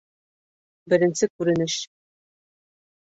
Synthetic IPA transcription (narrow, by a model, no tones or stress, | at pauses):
bɘ̆ɾɘ̆nsɘkʉɾɘ̆nɘɕ